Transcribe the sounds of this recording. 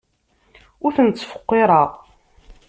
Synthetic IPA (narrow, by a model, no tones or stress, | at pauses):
ʊɾθənt͡sːfə̥qːeɾˤəʁ